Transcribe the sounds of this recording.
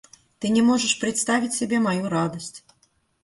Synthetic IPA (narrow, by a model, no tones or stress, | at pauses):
t̪ɨnʲɛmɔʐɐʂpɾɨt̪st̪avʲit͡sʲsʲabʲɛmajuɾad̪ɐsʲt͡sʲ